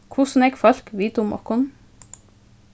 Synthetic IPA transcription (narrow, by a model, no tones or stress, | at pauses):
kʰʊsn̩ɛɡfɔl̥kʋiːt̪ʊmʔɔ̰kʊn